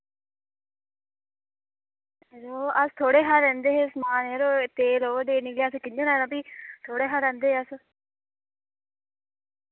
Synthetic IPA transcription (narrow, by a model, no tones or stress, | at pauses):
ɾoːəst̪ʰoːɽeːɦaɾɛ̃ːnd̪eːɦesmaːneːɾoːt̪eːloːɖeːnɪkleːəskɪɲːẽːnaːɾãːpiːt̪ʰoːɽeːɦaɾɛ̃ːnd̪eːɦəs